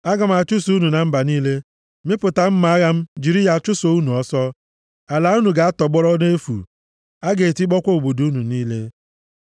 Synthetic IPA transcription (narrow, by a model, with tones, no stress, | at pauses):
a˦ɡa˨m̩˨a˨t͡ʃʊ˦su˦nu˨na˨m̩˦ba˨niː˦le˦ | me˦pʊ˨ta˨m̩˦ma˨a˦ɣa˦m̩˦d͡ʒi˨ɾi˦ja˨t͡ʃʊ˦so˨u˦nu˨ɔ˦sɔ˦ | a˨la˨˦u˦nu˨ɡa˨a˦tɔ˨ɡ͡bɔ˦ɾɔ˦ne˦fṵ˨ | a˦ɡe˨ti˦ɡ͡bɔ˦kʷo˦o˨ɡ͡bo˨du˦nu˨niː˦le˦